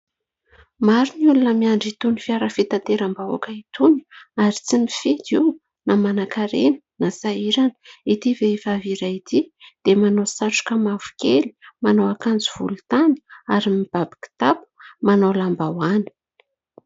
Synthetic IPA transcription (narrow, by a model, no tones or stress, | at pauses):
maɾuniulunəmiaɳɖ͡ʐit̪unifiaɾafit̪at̪eɾambaa̰kəit̪uni̥aɾit͡simifid̪iw | namanakaɾenə̥nasaiɾanə̥it̪ivefaviɾait̪id̪̥emanosaʈ͡ʂu̥kəmavu̥keli̥manoakand͡ziv̥ṵlut̪ani̥aɾimib̥abi̥ki̥t̪apu̥manawlambawani̥